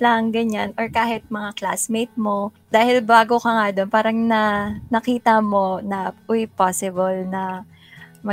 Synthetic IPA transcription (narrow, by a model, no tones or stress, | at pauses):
laŋɡɐɲanʔoɹkaːhɪt̪̚mɐŋakla̰smejt̪̚mo̞ | d̪̥aːhɪlbaːɡokɐŋad̪o̞npaːɾɐŋnɐnɐkiːt̪ɐmo̞nɐʔʊjpasɪbɐlnɐ | mɐ